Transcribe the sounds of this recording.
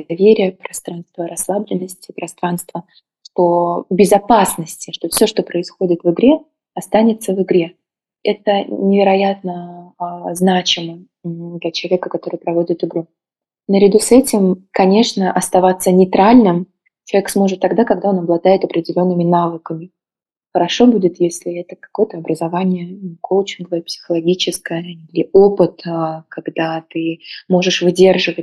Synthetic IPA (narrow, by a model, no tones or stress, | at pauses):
ɐvʲeɾʲɪjəpɾɐst̪ɾanst̪vəɾɐslˠablʲɪnːəsʲtʲɪpɾɐst̪ɾanst̪və | ʂt̪o̞bʲɪzɐpasnəsʲtʲɪʂt̪o̞fsʲo̞ʂt̪o̞pɾəɪsxo̞dʲɪt̪vɨɡɾʲe̞ | ɐst̪anʲɪt̪səvɨɡɾʲe̞ | ɛt̪ənʲɪvʲɪɾɐjat̪̚nə | znat͡ɕɪmɨ | d̪lʲɐt͡ɕɪlˠɐvʲekəkɐt̪o̞ɾɨjpɾɐvo̞dʲɪt̪ɨɡɾu | nəɾʲɪd̪usɛtʲɪmkɐnʲe̞ʂnəʔɐst̪ɐvat̪sːənʲɪt̪ɾalʲnɨm | t͡ɕɪlˠɐvʲeksmo̞ʐɨt̪ːɐɡd̪akɐɡd̪ao̞nɐblˠɐd̪ajɪt̪ɐpɾʲɪdʲɪlʲo̞nːɨmʲɪnavɨkəmʲɪ | xəɾɐʂo̞budʲɪt̪jesʲlʲɪɛt̪əkɐ̥ko̞jət̪əɐbɾəzɐvanʲɪjəkʰolˠt͡ɕɪnɡəvt̪̚psʲɪ̥xəlˠɐɡʲit͡ɕɪskəjəilʲɪo̞pɨt̪kɐɡd̪at̪ɨmo̞ʐɨʂvɨdʲe̞rʐɨvə